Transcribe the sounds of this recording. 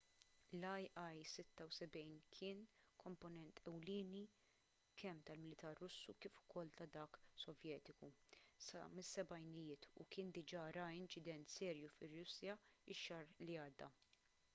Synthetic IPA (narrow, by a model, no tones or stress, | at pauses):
lɐjʔɐjsɪt̪ːɐwsɛbɛjnkʰɪːnkʰɔmpɔnɛnt̪ʰɛwlɪːni | kʰɛmːt̪ɐlmɪlɪt̪ɐɾːʊsːukiːfʊ̥kɔlt̪ɐd̪ɐːksɔvjɛːt̪ɪkusɐ̰mɪsːɛbɐjnɪjɪːt̪ʰṵkɪːnd̪ɪd͡ʒɐɾɐɪnt͡ʃɪd̪ɛnt̪sɛːɾjufɪrːʊsjɐɪʃːɐɾliɐːd̪ːɐ